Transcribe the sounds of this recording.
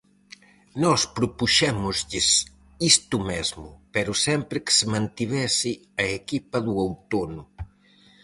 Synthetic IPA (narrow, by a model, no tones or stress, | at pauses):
nɔspɾʊpuʃɛmʊzʎɪs | ist̪ʊmɛzmʊpɛɾʊsɛmpɾɪkɪ̥sɪmãnt̪iβ̞ɛsɪ | ɐekipɐðuowt̪onʊ